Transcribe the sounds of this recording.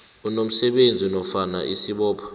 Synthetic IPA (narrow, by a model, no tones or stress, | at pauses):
unom̩sɛɓend͡zʱinɔfana̰ʔisiɓɔːpʰɔ̥